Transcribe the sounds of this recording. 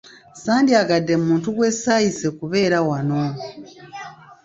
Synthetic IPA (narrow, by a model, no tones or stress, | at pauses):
saːndiaɡadːe̞mmuːntuɡwe̞sajisekuβe̞ːɾawano̞